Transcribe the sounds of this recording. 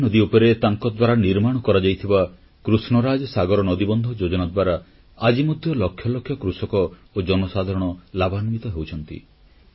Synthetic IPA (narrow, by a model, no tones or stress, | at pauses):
nɔd̪iupɔɾet̪aŋkɔd̪waɾaniɾmaɽ̃ɔkɔɾad͡ʒajt̪ʰiba | kɾusnɔɾad͡ʒɔsaɡɔɾɔnɔd̪ibɔnd̪ʱɔd͡ʒod͡ʒɔnad̪waɾa | ad͡ʒimod̪ʱjɔlɔkʰjɔlɔkʰːjɔkɾusɔkɔ | od͡ʒɔnɔsad̪ʱaɾɔɽ̃ɔlabanmit̪ɔɦewt͡ʃʰɔnt̪ḭ